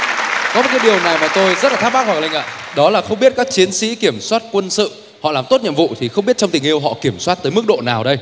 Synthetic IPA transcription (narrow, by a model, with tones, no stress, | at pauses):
kɔ˨˦mo˨˩t̚kːa˨˦jɗi˨˩əwna˨˩jmaː˨˩t̪o˧jzə˦˥t̚laː˨˩aː˦˥a˦˥k̚wa˨˩la˧˩ŋʔa̰ː˧˨ɗɔ˨˦laː˨˩xə˧wŋ͡mɓi˦˥ət̚kaː˦˥k̚t͡ɕi˨˦ənsḭ˧˥ki˧˩əmswaː˦˥t̚kwə˧nsɨ̰˧˨ | hɔ̰˧˨laː˨˩mt̪o˦˥t̚ɲə̰˧˨mvṵ˧˨t̪ʰi˨˩xə˧wŋ͡mɓi˦˥ət̚t͡ɕɔ˧wŋ͡mt̪ï˨˩ʔi˧əwɦɔ̰˧˨ki˧˩əmswaː˦˥t̚t̪əː˨˦jmɨ˦˥k̚ɗo̰˧˨naː˨˩wɗə˧j